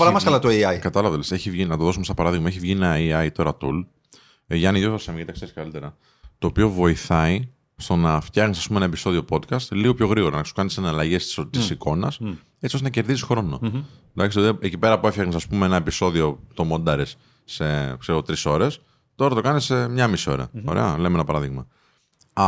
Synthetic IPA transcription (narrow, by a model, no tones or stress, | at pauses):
oɾɐmɐskɐlɐt̪oɐjkɐt̪ɐlɐvlese̞çivʝinɐt̪o̞ðo̞sumest̪ɐpɐɾɐðiɣmɐeçivʝienɐiɐit̪o̞ɾɐt̪ul | ʝɐniʝoosɐmicet̪ɐkseɾiskɐlit̪e̞ɾɐ | t̪o̞ːpio̞vo̞iθɐi | st̪o̞nɐft̪çɐɣnisɐspumenɐepiso̞ðiopo̞d̪kɐst̪liɣo̞pço̞ɣɾiɣo̞ɾɐnɐsu̥kɐnisɐnɐlɐʝest̪isiko̞nɐs | e̞t͡siost̪enɐce̞ɾðisisxɾo̞no | d̪ɐksit̪oecipe̞ɾɐpue̞fçɐɣnisɐspumeenɐepiso̞ðio̞t̪o̞mo̞nd̪ɐɾesː | e̞kseɾɣo̞t̪ɾiso̞ɾe̞s | t̪o̞ɾɐt̪o̞kɐnisemɲɐmisio̞ɾɐ̰o̞̰ɾḛɐlemenɐpɐɾɐðiɣmɐ